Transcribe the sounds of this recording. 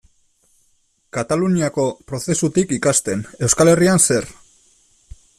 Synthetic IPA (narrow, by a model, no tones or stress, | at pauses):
kat̪aluniako̞pɾoθe̞sut̪ikikast̪e̞ne̞wskale̞rianse̞ɾ